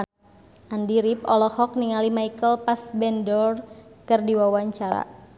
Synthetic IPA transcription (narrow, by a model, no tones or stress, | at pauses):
andiɾip̚ɔlɔhɔk̚niŋalimaikəlpasbɛndɔrkɨrdiwawaɲt͡ʃaɾa̰